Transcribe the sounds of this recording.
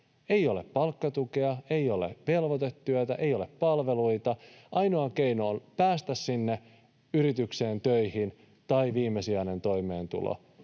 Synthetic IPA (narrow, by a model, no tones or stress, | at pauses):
e̞jo̞le̞ppɑlkːɑt̪ukeɑe̞jo̞lḛʋe̞lʋot̪e̞t̪ːyøt̪æʔe̞jo̞leppɑlʋe̞lujt̪ɑʔɑjno̞ɑk̟e̞jnoːnpæːst̪æsːinːe | yɾit̪ykseːnt̪øjhin | t̪ɑiʋiːmːe̞siɑne̞nt̪o̞jme̞̰ːnt̪ṵlo̰